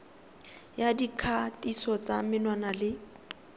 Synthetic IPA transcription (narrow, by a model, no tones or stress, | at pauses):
jadikʰatʼisɔt͡samɪnwanalɪ